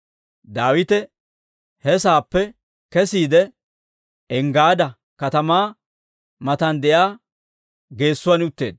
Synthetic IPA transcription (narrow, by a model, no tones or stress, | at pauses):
d̪aːwɪt̪ɛ | hɛsaːpːɛ | kɛsiːd̪ɛ | ɛŋɡaːd̪ɐ | kɐt̪ɐmaː | mɐt̪ɐnd̪ɛjaː | ɡe̞ːsːʊwanʊt̪ːe̞ːd̪̚